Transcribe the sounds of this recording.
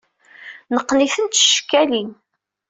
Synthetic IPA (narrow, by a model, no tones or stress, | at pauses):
nəqːniθənt̪ʃkːælin